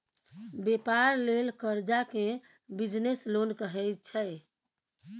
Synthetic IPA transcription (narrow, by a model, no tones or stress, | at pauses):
bepaɾlelkəɾd͡ʒakẽ | bid͡ʒneslonkəɦɛt͡ʃʰəj